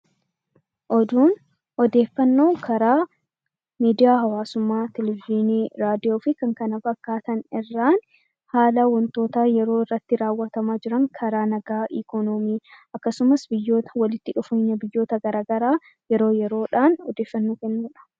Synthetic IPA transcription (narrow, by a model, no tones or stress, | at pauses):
ʔɔd̪uːn | ɔd̪e̞ːfːɐnːo̞ːkʰɐɾaː | miːd̪ɪjaːɦɐwaːsʊmːaːt̪ɛlɛviniːɾaːd̪ɪjoːfɪkɐŋkɐnɐbɐkːaːt̪ɐnɪrːaːn | haːlɐwɔnt̪o̞ːt̪aːjɛɾo̞ːɪrːɐt̪ːɪɾaːwːɐt̪ɐmaːd͡ʒɪɾɐŋkʰɐɾaːnɐɡaːʔɪkɔnɔmiːʔɐkːɐsʊmɐsbɪjːo̞ːt̪ɐwɐlɪt̪ːɪᶑʊfeɲːɐbɪjːo̞ːt̪ɐɡɐɾaːɡɐɾaː | jɛɾo̞ːjɛɾo̞ːᶑaːnɔd̪eːfːɐnːoːkɛnːuːᶑɐ̥